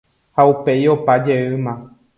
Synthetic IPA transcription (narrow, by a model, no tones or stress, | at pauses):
haupe̞jo̞pad͡ʒeɨmã